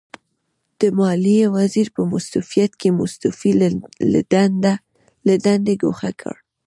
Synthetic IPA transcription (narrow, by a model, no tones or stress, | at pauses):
d̪̥əmɑliwaziɾpəmʊst̪ufijat̪kemʊst̪ufil | ləd̪and̪eɡoxakʰə̰ɽ